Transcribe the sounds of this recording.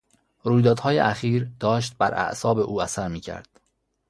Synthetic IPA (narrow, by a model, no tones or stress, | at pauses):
ɾuːjd̪ɒːd̪̥hɒːjeʔæxiːɾd̪ɒːʃt̪̚bæɾʔæ̰ʔsɒːbe̞ʔuːæsæɾmiːcʰæ̰ɾd̪̥